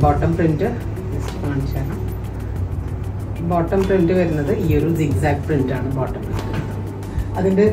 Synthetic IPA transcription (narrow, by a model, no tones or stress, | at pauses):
boːʈːɐmprindɨ | respaːɳsaːnɐm | boːʈːɐmprindɨʋɐɾunːɐðɨioɾuziɡsaːk̚ʈprindaːɳɨboːʈːɐmprintɨ | ɐðinde